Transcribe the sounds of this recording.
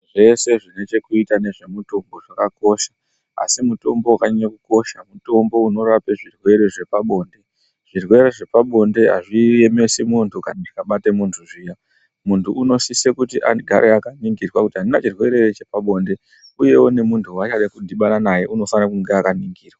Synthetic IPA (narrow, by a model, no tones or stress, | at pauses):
ʐe̞se̞ʐine̞t͡ʃe̞kuitane̞ʐe̞muto̞mbo̞ʐakako̞ʃḁ | a̰simuto̞mboukaɲɲakuko̞ʃamuto̞mbo̞uno̞ɾape̞ʐirwe̞ɾeʐe̞paɓo̞ːnde̞ | ʐ̥irwe̞ɾeʐe̞paɓo̞nde̞ɦa̰ʐije̞me̞simuntʰukanadikaɓatemuntʰuʐija | muntʰuːno̞sisekutiʔa̰ɡʱa̰ɾʔeakaniŋɡirwakutiɦaninat͡ʃirwe̞ɾe̞t͡ʃepaɓo̞ːnde̞ | uje̞wone̞muntʰuwat͡ʃaɗakudʱiɓananaje̞ʔuno̞fanakuŋɡeakaniŋɡiːrwaa